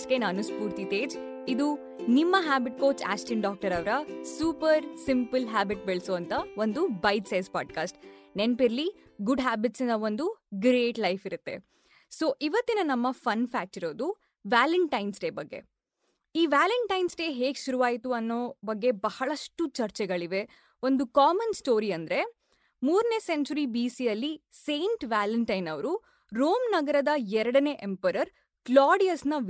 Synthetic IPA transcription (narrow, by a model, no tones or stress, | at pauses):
kenɐnuspuːɾt̪it̪eːd͡ʒ | id̪u | nimːɐɦaːbiʈ̚koːt͡ʃa̰ːsʈinɖaːk̚ʈɐɾɐʋɾɐsuːpɐɾsimpɨlɦaːbiʈ̚beɭsoɐnt̪ɐo̞nd̪ubɐjd̪sɐjspaːɖkaːsʈnenpiɾli | ɡuɖɦaːbiʈsind̪ɐond̪uɡɾeːʈlɐjfiɾut̪ːe̞̰ | so̞ːʔiʋɐt̪ːinɐnɐmːɐfʰɐnfʰaːk̚ʈiɾo̞ːd̪u | ʋaːliɳʈɐjnsɖe̞ːbɐɡːe̞̰ | iːʋaːlɐɳʈɐjnsɖe̞ːɦe̞ːɡʃuɾuʋaːjit̪uɐnːoːbɐɡːe̞bɐhɐɭɐʂʈut͡ʃɐɾt͡ʃɛɡɐɭiʋe̞ | ond̪ukaːmɐnsʈo̞ːɾiɐnd̪ɐɾe̞ | muːɾne̞ːseɲt͡ʃuɾibiːsijɐlːi | se̞ːɳʈʋaːlɐɳʈɐjnɐʋɐɾu | ɾoːmnɐɡɐɾɐd̪ɐɛɾɐɽɐne̞ːʔempɐɾɐɾ | klaːɖijɐsnɐ